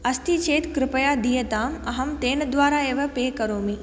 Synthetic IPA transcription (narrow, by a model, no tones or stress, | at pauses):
ɐst̪it͡ʃeːt̪kɾɪpəjaːd̪ijət̪aːmɐɦɐmt̪eːnd̪ʋaːɾaːeːʋɐpeːkɐɾoːmi